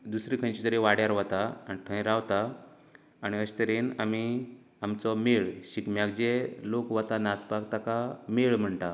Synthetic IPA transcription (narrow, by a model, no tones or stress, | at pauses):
d̪usɾikʰə̃nt͡ɕit̪əɾeʋaɽjaɾʋat̪aaniʈʰə̃ɾaʋt̪a | aɽ̃iəɕt̪əɾeːnami | amt͡sɔmeɭɕikmjaɡd͡ʑelokʋat̪anat͡spakt̪akameɭm̤əɳʈ̪a